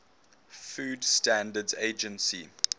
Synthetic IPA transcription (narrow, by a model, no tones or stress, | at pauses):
fuːdstæ̃ndədzeɪd͡ʒə̃nsi